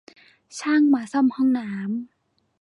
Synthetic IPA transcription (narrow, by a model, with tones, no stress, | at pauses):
t͡ɕʰaː˥˩˨ŋmaː˨˩˦sɔ˥˩˨mhɔ˥˩ŋnaː˩˦˥m